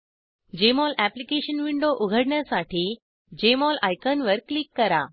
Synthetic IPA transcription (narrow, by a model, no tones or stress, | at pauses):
d͡ʑemɔlæplikeɕənʋiɳɖoʔuɡʱəɽɳjasaʈʰiː | d͡ʑemɔlajkənʋəɾklikːəɾa